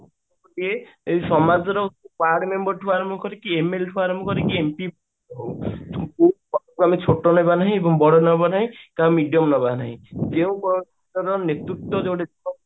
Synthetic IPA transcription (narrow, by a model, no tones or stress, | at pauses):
lie | sɔmad͡ʒɔɾɔpaɽmembɔɾʈʰuaɾɔmukɔɾekiemelʈʰuaɾmukɔɾekiempibɔ | ɔɦowʰkuɔkuamet͡ʃʰoʈɔnɔjbanaɦĩebɔŋbɔɽɔnɔbanaɦĩkaũmiɖijɔmnɔbanaɦĩd͡ʒeũkɔ | ɔɾɔnet̪ɾut̪ɔd͡ʒewɽed͡ʒɔ